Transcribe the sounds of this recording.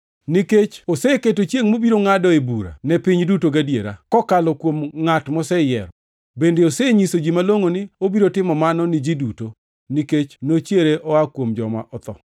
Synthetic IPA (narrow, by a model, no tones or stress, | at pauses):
niket͡ʃoseketot͡ʃjeŋmobiɾoŋadɔebuɾa̰nɛpɪɲdutoɡadjḛɾa̰kɔkalɔkwomŋatmɔsɛjɛ̰ɾɔ | bendeoseɲisod͡ʒimaloŋonɪobiɾotɪmɔmanɔnɪd͡ʒiduto | niket͡ʃnot͡ʃjeɾeʔɔakwomd͡ʒɔ̰ma̰ʔɔt̪ɔ̰